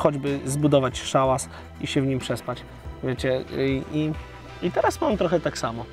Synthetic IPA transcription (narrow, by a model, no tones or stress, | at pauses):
xɔd͡ʑbɘzbud̪ɔvat͡ɕʂawas | iɕɛvɲimpʂɛspat͡ɕ | vʲjet͡ɕɛʔi | it̪ɛɾaspɔvʲɛmt̪ɾɔxɛt̪aksamɔ